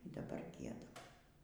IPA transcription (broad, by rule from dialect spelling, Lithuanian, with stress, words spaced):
iː dɐˈbɐr ˈɡʲiɛdɐm